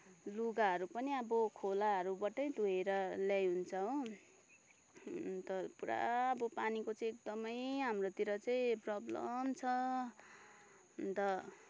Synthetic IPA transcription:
luɡaɦʌɾupʌniʌbʌkʰolaɦʌɾubʌʈʌj̃d̪ʱueɾʌljajɦunt͡sʰʌɦõ | t̪ʌpuɾa̰ːbʌpanikot͡sʌĩek̚d̪ʌmʌjɦamrot̪iɾʌt͡sʌĩprʌblʌ̰mt͡sʰʌ | t̪ʌ

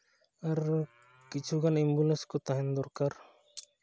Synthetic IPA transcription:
ɐɾ | kit͡ʃʰuɡanimbulənskot̪aɦɛnd̪ɔɾkaɾ

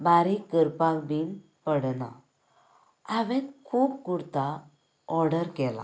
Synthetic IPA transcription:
baɾikəɾpakbin | pəɽna̰ | aʋɛ̃nkʰuːp̚kuɽt̪a | ɔɾɽəɾkɛla̰

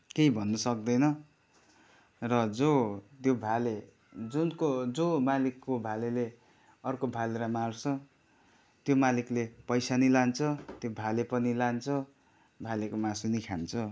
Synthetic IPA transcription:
kejbʱʌnːʌsʌk̚d̪ʌjnʌ | rʌd͡zot̪jobʱale | d͡zunkod͡zomalikːobʱalele | ʌrkobʱaleɾamart͡sʰʌ | t̪jomaliklepʌjsanilant͡sʰʌt̪jobʱalepʌnilant͡sʰʌ | bʱalekomasunikʰant͡sʰʌ

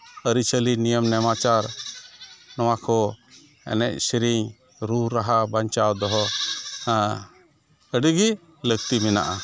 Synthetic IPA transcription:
əɾit͡ʃəlinijəmnɛmat͡ʃaɾ | nɔw̃akʰɔ | ɛ̰nɛʔ̚siɾiɲ | ɾuɾaɦabaɲt͡ʃawd̪ɔɦɔ | əɖiɡi | ləɡt̪imina̰ʔa

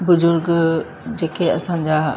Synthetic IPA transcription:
bʊzʊɾɡ | d͡ʑeːkeɐsãɲd͡ʑa

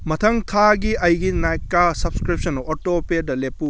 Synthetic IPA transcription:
mɐtʰɐŋtʰaɡiɐjɡinajkːasɐbskɾip̚sɐnotopedɐlepːu

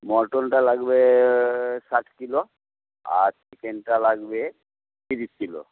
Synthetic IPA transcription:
mɔɾʈɔnʈalaɡbe | saʈʰkilo | a̰ɾsɛkenʈalaɡbe | t̪iɾiskilɔ̰

